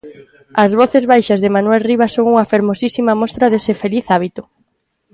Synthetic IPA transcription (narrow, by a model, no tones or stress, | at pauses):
ɐzβɔθezβajʃɐzðɪmanwɛlriβ̞ɐsoŋuŋɐfeɾmosisimɐmɔst̪ɾɐðesɪfeliθaβ̞it̪ʊ